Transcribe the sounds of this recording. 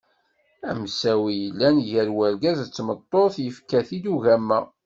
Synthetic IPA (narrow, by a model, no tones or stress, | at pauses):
æmsæwijəlːænʝəɾwæɾɡæzt͡sːmət̪ˤːoθjəfkæθid̪uʝæmːæ